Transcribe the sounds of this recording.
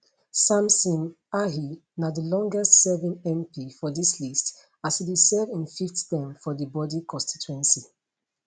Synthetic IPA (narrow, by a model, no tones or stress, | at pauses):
sãmsɔ̃n | aɦinadəlɔ̃ŋɡɛstsɛvĩŋɛ̃mpifɔdislist | ashidisɛvĩnfiftdɛ̃mfɔdəbɔdikɔ̃nsti̥tuɛ̃nsi